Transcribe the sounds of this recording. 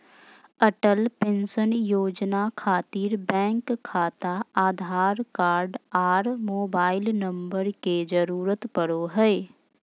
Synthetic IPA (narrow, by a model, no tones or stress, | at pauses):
əʈəlpẽnsənjoːd͡ʒnakʰaːt̪iːɾbɛ̃ːŋkʰːaːt̪aaːd̪ʱaːɾkaːɾɖaːɾmoːbaːɪlnə̃mbəɾked͡ʒəɾuːɾət̪pəɽoɦɛɛ